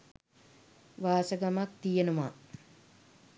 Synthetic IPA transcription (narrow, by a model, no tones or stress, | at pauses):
ʋaːsəɡamak̚t̪ijenuma